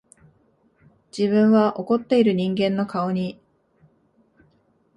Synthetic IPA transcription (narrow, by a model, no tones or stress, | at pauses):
d͡ʑiβɯ̟̃ɰ̃βaʔo̞ko̞t̪ːe̞iɾɯ̟ɲ̟ĩŋɡẽ̞nːo̞kao̞ɲ̟i